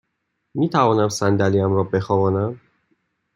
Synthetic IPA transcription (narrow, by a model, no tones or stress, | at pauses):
miːt̪ʰævɒːnæmsænd̪æliæmɾɒːbe̞xɒːvɒːnæm